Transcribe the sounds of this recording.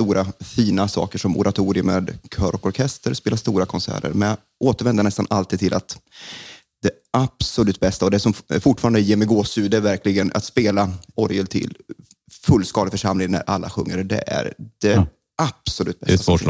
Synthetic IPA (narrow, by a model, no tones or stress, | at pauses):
t̪uːɾafiːnasɑ̰ːkəʂɔmʔʊ̰ɾʔat̪ʰuːɾɪəmeːd̪kʰœːɾɔkɔɾkʰɛst̪əɾspeːlast̪uːɾakʰɔnsæ̰ːɾə̰ɾmɛnja | ʔoːt̪əɾvɛnd̪ənɛst̪anʔalt̪ʰiːd̪t̪ʰɪlʔat̪ | d̪̥ɛ | ab̥sɔlʉ̟ːt̪̚bɛst̪aɔd̪ɛsɔmfʊʈːfɑːɾand̪əjeːmɛɡoːsʉːd̪æɾvæɾkʰlɪɡəna̰t̪speːlaɔɾjəlt̪ʰɪ̰lː | fɵlːskɑːd̪ɪfœʂamlɪŋnæ̰ɾʔa̰lːa̰ɧɵŋːəɾɖ̪ɛ̰ʔæ̰ɾd̪̥ɛ | ab̥sɔlʉ̟ːt̪̚bɛt̪a